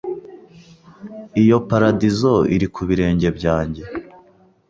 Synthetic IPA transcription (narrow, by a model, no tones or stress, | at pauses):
ijo̞paɾadizo̞ḭɾikʰuβiɾe̞ːɲɟe̞bɟaːɲɟe̞